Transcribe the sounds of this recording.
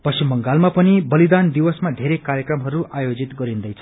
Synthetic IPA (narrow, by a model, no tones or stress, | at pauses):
pʌsimbʌŋɡalmapʌnibʌlid̪and̪iwʌsmad̪ʱeɾekaɾjʌkrʌmɦʌɾuʔajod͡zit̪ɡʌɾind̪ʌjt͡sʰʌ